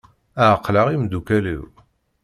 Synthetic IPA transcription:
æʕəqːləʁimd̪ukælḭw

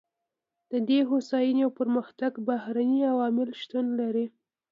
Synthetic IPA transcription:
d̪̥əd̪eɦosɑjinawpəɾməxt̪aɡbahɾaniawɑmɪlʃt̪unlaɾi

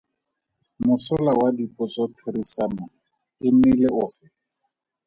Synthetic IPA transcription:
mʊsʊlawadipʼɔt͡sɔtʰʊɾisamɔ | ɪmɪlɪʊːfɛ

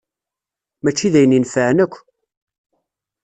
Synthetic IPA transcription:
mæt͡ʃːiðæjəninfəʕnəkʷː

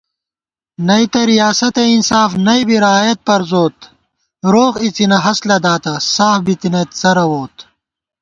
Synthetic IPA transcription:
nɐjt̪ɐɾijaːsɐt̪einsaːfnɐjbiɾɐaːjɐt̪̚pɐɾzoːt̪ | ɾoːɣit͡sinɐɦɐslɐd̪aːt̪ɐsaːfbit̪inɐt̪t͡sɐɾɐwoːt̪

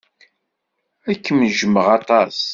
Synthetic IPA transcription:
ækːəmʒəməʁɑt̪ˤɑs

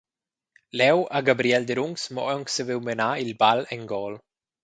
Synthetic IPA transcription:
lɛwaɡabɾiɛld̪eɾuŋksmɔ̰œŋksevewmenailbalɛŋɡɔl

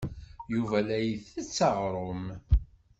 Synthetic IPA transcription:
juvælæjiθət͡sːɑʁɾˤom

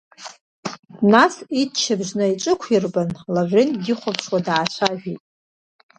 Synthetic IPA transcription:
nasitʰt͡ʃʰːabʒnɨit͡ʃʷʼɨkʷʰirbanlavrinɡʲɪχʷapʰʂwadʕat͡ɕʷʰaʒᶣʷḭtʼ

